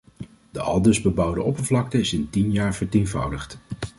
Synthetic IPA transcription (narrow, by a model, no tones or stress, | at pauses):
d̥əʔɑ̰lˠdəzbəbʌwdəʔɔpəɹvlɑk̚təɪsɪntinjaːɹvəɹtejnvʌ̰wdəχt